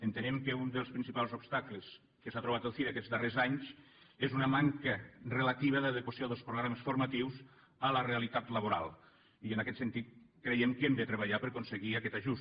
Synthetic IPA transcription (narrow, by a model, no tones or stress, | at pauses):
ənt̪ənɛmkəund̪əlˠspɾinsipalˠzopst̪akləs | kəsat̪ɾoβat̪əlˠfiðakɛzd̪ərezaɲz | ezunəmaŋkərelat̪iβ̞əðəðekosioðəlˠspɾoɣɾaməsfuɾmat̪iwz | ələrealit̪at̪ləβ̞oɾa̰lˠ | iənakɛt̪sent̪it̪̚kɾejɛmkemd̪ət̪ɾeβ̞aʎapəɾkonseɣiakɛt̪aʒus